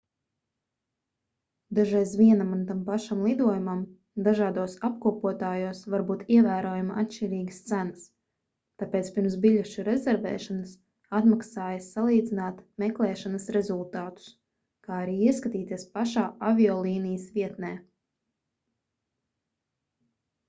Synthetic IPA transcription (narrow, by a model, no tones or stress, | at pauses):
d̪aʒajsʋiɛnamunt̪ampaʃamlˠid̪uɔjumam | d̪aʒaːd̪uɔsap̚kuɔpuɔt̪aːjuɔsvaɾbuːt̪iɛvæːɾoɔjumaʔat̪ʃt͡ʃɛɾiːɡə̥st̪sænɐs | t̪apeːt̪spʲiɾmsbiʎʲɛʃuɾezɛɾvɛ̰ːʃanɐs | at̪maksaːjaalˠiːd̪zinaːt̪mɛklˠɛːʃanɐsɾɛzulˠt̪aːt̪u̥s | kaːaɾiːiɛskat̪iːt̪iɛspaʃaːavʲiɔːlˠiːnijəsvʲiɛt̪nɛː